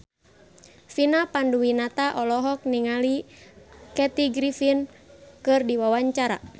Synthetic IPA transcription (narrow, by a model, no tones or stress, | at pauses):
finapanduwinat̪aʔɔlɔɦɔk̚niŋali | kɛt̪iɡɾifinkɨrdiwawaɲt͡ʃaɾa̰